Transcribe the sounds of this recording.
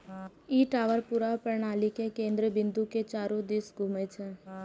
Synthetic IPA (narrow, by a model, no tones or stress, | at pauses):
iːʈaːʋəɾpuɾapəɾɳaːlikekẽːnd̪ɾəbɪ̃nd̪uket͡ʃaːɾõd̪eːsɡʱũːmet͡ʃʰe